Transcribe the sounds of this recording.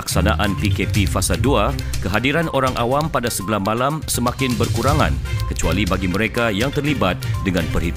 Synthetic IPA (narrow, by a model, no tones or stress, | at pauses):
aksanaʔanpikepifasaduakəɦadiɾanoɾaŋʔa̰wampadasəbəlahmalamsəmakɪnbərkuɾaŋã̰nkət͡ʃualibaɡiməɾekajaŋt̪ərlibat̪̚dəŋanpərhit̪